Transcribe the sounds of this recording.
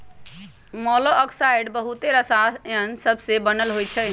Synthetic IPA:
mɔloʔəksajɖbəɦut̪eɾəsajənsəbʱsebənəlɦojt͡ʃʰə

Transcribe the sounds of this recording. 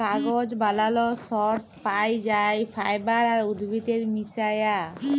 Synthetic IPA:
kaɡɔd͡ʑbalalɔsɔɾspajd͡ʒajfʰajbaɾaɾud̪bit̪eɾmisaja

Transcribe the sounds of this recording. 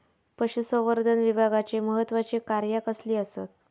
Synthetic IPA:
pəɕusə̃ʋəɾd̪ʱənʋibʱaɡat͡ɕeməɦət̪ʋat͡ɕiːkaɾjakəsliːəsat̪

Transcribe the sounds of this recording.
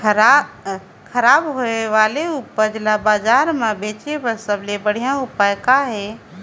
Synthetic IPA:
kʰəɾaːbɦoeʋaːleʊpəɾd͡ʒɪlabaːd͡ʒaːɾmãbeːt͡ʃepəɾsəbʱlebəɽ̤ijãʊpajkaɦeː

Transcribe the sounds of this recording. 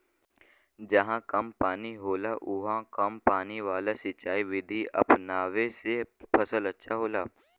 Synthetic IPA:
d͡ʒɐɦãkɐmpaːniɦoːlaʔʊɦãkɐmpaːniʋaːlasɪt͡ʃaːiʋɪd̪ʱiɐ̰pnaːʋesepʰɐsəlɐtːʃʰaɦoːlaː

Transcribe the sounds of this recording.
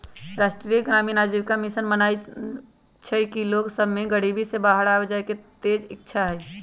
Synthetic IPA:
ɾaʃʈɾijəɡɾaminad͡ʒiʋkamisənmənaj | t͡ʃʰɛkiloɡsəbʱmeɡəɽibʱisebaɦaɽabəd͡ʒaeket̪ed͡ʒɪkːt͡ʃʰaɦɛj

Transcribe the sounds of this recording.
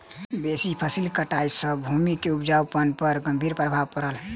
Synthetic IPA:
besipʰəsilkəʈajsəbʱumikeupd͡ʒaupənpəɾɡəmbʱiɾpɾəbʱaʋkəɾəl

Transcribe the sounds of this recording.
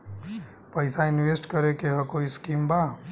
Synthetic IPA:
pəɪsaɪnʋeːsʈkəɾekeɦəkoːiskiːmbaː

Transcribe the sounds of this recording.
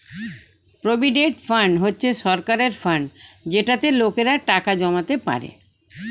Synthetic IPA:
pɾobiɖeʈfaɳɖɦotːɕʰeʃɔɾkaɾeɾfaɳɖd͡ʑeʈat̪elokeɾaʈakad͡ʑɔmat̪epa̰ɾḛ

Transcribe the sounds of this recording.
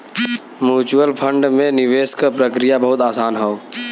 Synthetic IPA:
mjuːt͡ʃwəlpʰə̃ɳɖmẽnɪʋeːskapɾəkɾijabəɦʊt̪aːsaːnɦɛoː

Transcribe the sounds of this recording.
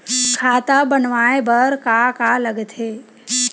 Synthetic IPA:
kʰaːt̪abənʋaːẽbəɾkakaləɡt̪ʰeː

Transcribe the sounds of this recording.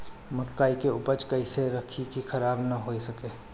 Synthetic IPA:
mɐkːaːikeʊpət͡ʃkɐiseɾɐkʰikixɐɾaːbnɐɦoːisɐkeː

